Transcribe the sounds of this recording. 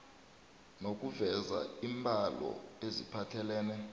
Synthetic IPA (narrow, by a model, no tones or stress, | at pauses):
nok̬ʼuvɛza̰imbʱalɔ̰ezḭpʰatʰɛlɛːnɛ